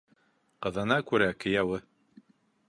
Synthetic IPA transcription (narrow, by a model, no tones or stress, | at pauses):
qɤ̆ðɤ̆nɑkʉɾækɘ̆jæwɘ